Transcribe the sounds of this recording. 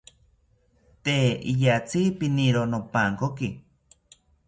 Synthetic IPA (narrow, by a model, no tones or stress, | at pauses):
t̪eḭjat͡sipiniɾonopaŋkoki